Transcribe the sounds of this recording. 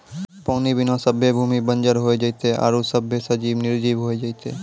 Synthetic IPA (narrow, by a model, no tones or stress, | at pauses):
pɔwnibinɔsəbʱːebʱumibənd͡ʒaɾɦoed͡ʑajt̪eʔa̰ɾosəbʱːeʃəd͡ʑibniɾd͡ʑibɦoed͡ʑajt̪e